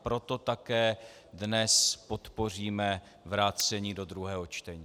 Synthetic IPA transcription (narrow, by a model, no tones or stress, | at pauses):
pɾo̞t̪o̞t̪akɛː | dnɛspo̞t̪po̞r̝iːmɛ | vɾaːt͡sɛɲiːdo̞d̪ɾuɦɛːɦo̞t͡ʃt̪ɛɲiː